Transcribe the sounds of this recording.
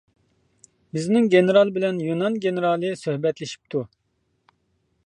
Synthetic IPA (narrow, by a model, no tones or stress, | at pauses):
bɪznɪŋɡʲenɨɾɑlˠbɪlɛnjunɑnɡʲenɨɾɑːlˠɨsøhbɛt̪lɪʃi̥p̚t̪ʰu